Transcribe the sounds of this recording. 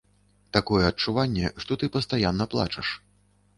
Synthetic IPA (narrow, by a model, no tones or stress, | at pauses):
t̪akɔjɛɐt͡ʂuvanʲːɛʂt̪ɔt̪ɨpɐst̪ajanːɐplˠa̰t͡ʂɐʂ